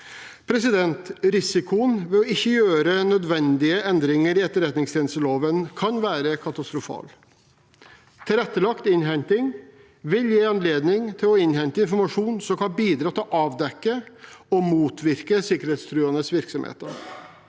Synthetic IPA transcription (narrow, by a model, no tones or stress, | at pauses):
pʰɾɛsɪd̪ɛnt̪ɾɪsɪkʊənʋɛɔɪçːəjøːɾənœd̪ʋɛnd̪ɪəɛnd̪ɾɪŋəɾɪɛt̪ːəɾɛt̪nɪŋst̪ʰɛːnəst̪əloːʋənkʰɑnʋæːɾəkʰɑt̪ɑst̪ɾʊfɑ̰ːl | t̪ʰɪlɛt̪ːəlɑkt̪ɪnɦɛnt̪ɪŋ | ʋɪljeːɑnleːd̪nɪŋt̪ʰɪlɔɪnhɛnt̪əɪnfɔɾmɑʂuːnsɔmkʰɑbiːd̪ɾɑːt̪ɪlɔʔɑːʋd̪ɛkːəɔmuːt̪ʰʋɪɾkəsɪkəɾheːt̪st̪ʰɾʉːɑnəsʋɪɾksɔmhḛːt̪əɾ